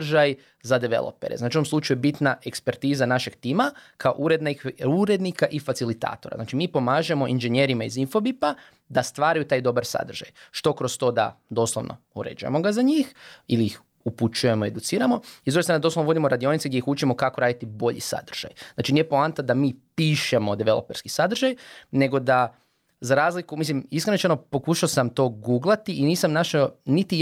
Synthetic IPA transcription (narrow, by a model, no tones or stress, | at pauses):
ʒaj | zad̪eʋḛlˠo̰peɾeznat͡ʃiuomslˠuːt͡ʃajujebit̪naʔe̞kspeɾt̪izanaʃe̞ɡt̪iːmakʰaoʔuɾe̞d̪naixuɾe̞d̪nikaʔifat̪silit̪a̰ːt̪o̞ɾaznaːt͡ʃimiːpo̞maːʒe̞mo̞ʔinʒeɲe̞ɾimaizinfo̞bipa | d̪ast̪ʋaːɾajut̪aːjd̪o̞baɾsa̰d̪rʒa̰jʃt̪o̞kɾo̞st̪o̞ːd̪a̰d̪o̞ːslˠoʋnʔo̞̰ | uɾḛd͡ʒujḛmo̞ɡazaɲiːxiliix | uput͡ʃujemoie̞d̪ut̪siːɾamo̞izd̪uɡest̪ɾand̪oslonʋo̞d̪imoɾad̪io̞nit̪seɡd̪ʲjeixut͡ʃemo̞kakoɾaːd̪it̪ibo̞ʎḭsa̰d̪rʒ̥a̰jznaːt͡ʃinijepoant̪ad̪amiːpiːʃemo̞d̪eʋelˠo̰peɾskisad̪r̩ʒajne̞ɡo̞d̪a | zaɾaːzlikumislimiskɾenot͡ʃanopo̞kuːʃaosamt̪o̞ːɡuːɡlˠat̪iːniːsamnaʃaonit̪i